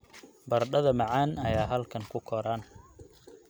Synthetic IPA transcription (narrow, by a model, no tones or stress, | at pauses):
bɐrɖɐðɐmɑʕaːnɐjaːɦɐlkʰɐŋkʰʊkʰɔɾaːn